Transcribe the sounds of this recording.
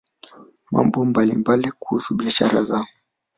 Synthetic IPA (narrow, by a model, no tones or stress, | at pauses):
ma̰mbɔmbalḭmbalikuhusuɓiaʃa̰ɾazaɔ